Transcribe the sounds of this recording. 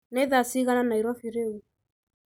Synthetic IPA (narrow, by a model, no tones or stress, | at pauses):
neðasiɣananaiɾwafiɾeu